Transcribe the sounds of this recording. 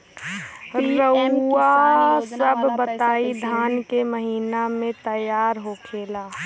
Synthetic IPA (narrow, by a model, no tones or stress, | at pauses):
ɾəasəbʱːət̪aːid̪ʱaːnkeməɦiːnamẽt̪əjaːɾɦokʰeːlaː